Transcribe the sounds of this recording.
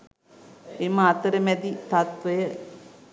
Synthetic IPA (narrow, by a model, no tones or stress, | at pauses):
emaːt̪əɾəmɛd̪it̪at̪ʋɐjə